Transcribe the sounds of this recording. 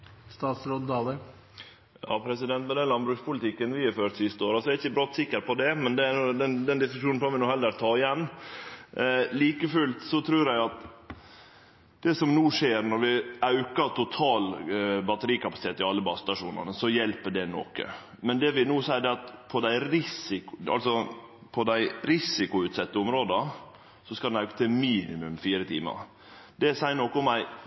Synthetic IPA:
st̪ɑːt̪sɾoːd̪d̪ɑːlə | jɑ̰ːpʰɾɛsɪd̪ɛnt̪mɛd̪ɛnlɑnbɾʉːkspʊlɪt̪ʰɪkːənʋɪhɑɾføːʈ̪sɪst̪əoːɾɑsɔɛæɾɪçːəbɾɔt̪ːsɪkːəɾpʰɔd̪ɛmɛnd̪ɛænud̪ɛnd̪ɛnd̪ɪskʉʂuːnnɾɔʋɪnuːhɛlːəɾt̪ʰɑːɪjɛnː | liːkəfʉlt̪sɔt̪ʰɾʉːɾæɪɑt̪ | d̪̥ɛsɔmnuːʂeːɾnɔɾʋɪɑʉkəɾt̪ʊt̪ʰɑːlbɑt̪əɾiːkɑpɑsɪ̥t̪eːt̪ɪɑlːəbɑsst̪ɑʂṵːnə̰nəsɔjɛlpəɖɛnɔ̰kə̰ | mɛnd̪ɛʋɪnuːsæɪəɖ̪ɛɑt̪pʰɔd̪æɪɾɪsɪkɑ̰lsɔ | pʰɔd̪æɪɾɪsɪkʊʉːt̪sɛt̪ːəʊmɾoːd̪ə | sɔskɑd̪nɑʉkə̥t̪ʰɪmiːnɪmʉmfiːɾət̪ʰḭːmə̰ɾ | d̪̥ɛsæɪənɔkːəʊmæɪ

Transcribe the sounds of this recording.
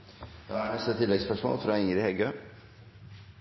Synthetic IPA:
j̪ɑaɳɛst̪at̪ʰɪlːɛɡspʰæʂmo̰ːlfɾɑɪŋɾɪhɛɡø

